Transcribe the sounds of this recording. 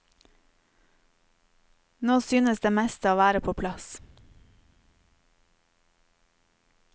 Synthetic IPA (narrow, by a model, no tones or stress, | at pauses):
noːsyːnəsd̪eːmɛst̪əoːʋæːɾəpʰoːpʰlɑs